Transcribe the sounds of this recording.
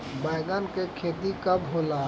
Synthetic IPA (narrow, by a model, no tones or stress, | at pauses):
baɪɡənkekʰeːd̪ikɐbɦoːlaː